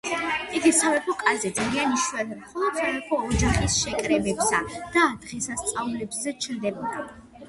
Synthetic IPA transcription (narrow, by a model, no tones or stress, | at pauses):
iɡisavɛpʰɔkʼazɛd̪zalianiʃuɛnmχɔlˠɔd̪̥savɛpʰɔːd͡ʒaχisʃɛkʼɾɛbɛbsad̪̥aːd̪̥ʁɛsast̪sʼaulɛbzɛt͡ʃʰɾd̪ɛbɔd̪a